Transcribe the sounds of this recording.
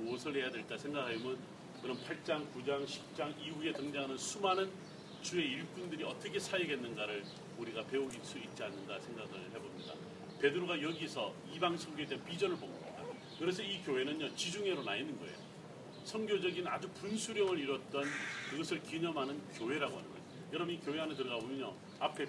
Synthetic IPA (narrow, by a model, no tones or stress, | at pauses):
muʌsʰɯɭhe̞jadwe̞ɭk͈asʰe̞ŋɡakʰaimjʌn | kɯɾʌmpʰaɭt͡ɕ͈aŋkud͡ʑaŋɕʰi̥p̚t͡ɕ͈aŋiue̞tɯŋd͡ʑaɦanɯnsʰumanɯn | t͡ɕue̞iɭk͈undɯɾiʌ̰t͈ʌkʰe̞sʰajiɡe̞nːɯnɡaɾɯɭ | uɾiɡape̞oɡis͈uit̚t͡ɕ͈ianːɯnɡasʰe̞ŋɡaɡɯɭhe̞bomɲida̰ | pe̞dɯɾoɡajʌɡisʰʌ | ibaŋsʰʌŋɡjoedepid͡ʑʌnɯɭboŋɡʌda̰ | kɯɾe̞sʰʌikjoɦe̞nɯnjʌt͡ɕid͡ʑuŋɦe̞ɾonainːɯnɡʌ̰ḛjo̰ | sʰʌŋɡjod͡ʑʌɡina̰d͡ʑupunsʰuɾjʌŋɯɾiɾʌt̚t͈ʌnkɯɡʌsʰɯɭkiɲʌmɦanɯnkjoɦe̞ɾaɡo̰ɦa̰nɯ̰nɡʌ̰j | jʌɾʌbɯnikjoɦeɦanɯtɯɾʌɣabomjʌnjo | apʰe̞